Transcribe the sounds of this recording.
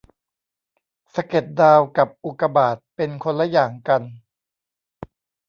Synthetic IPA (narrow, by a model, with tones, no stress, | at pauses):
sa˧ke˨˩t̪̚daː˧wka˨˩p̚ʔu˨˩ka˧baː˨˩t̪̚pe˧nkʰo˧nlːa˦jaː˨˩ŋka˧n